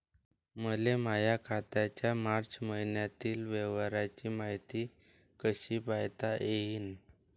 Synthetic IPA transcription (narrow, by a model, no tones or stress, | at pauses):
məlemajakʰat̪at͡ɕjamaɾt͡ɕməɦinjat̪iːlʋɛʋaɾat͡ɕiːmaɦit̪iː | kəɕiːbajt̪aʔeɦiːn